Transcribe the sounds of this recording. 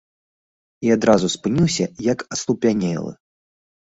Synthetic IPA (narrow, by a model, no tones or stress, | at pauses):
iad̪ɾazuspɨnʲiwsʲɐjɐkɐslˠupʲanʲɛ̰lˠɨ̰